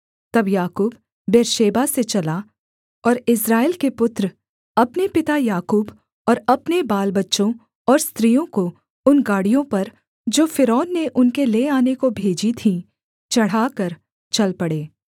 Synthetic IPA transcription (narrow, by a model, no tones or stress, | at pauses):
t̪ɐbjaːkuːbː | eːɾʃeːbaset͡ʃɐla | ɔːɾɪsɾaːɪlkepʊt̪ɾ | ɐpnepɪt̪ajaːkuːb | ɔːɾɐpnebaːlbɐtːʃõ | ɔːɾst̪ɾijõko | ʊnɡaːɽijõpɐɾ | d͡ʒoːfɪɾɔːnːeʔʊnkeleaːnekobʱeːd͡ʒit̪ʰĩ | t͡ʃɐɽ̤akɐɾ | t͡ʃɐlpɐɽeː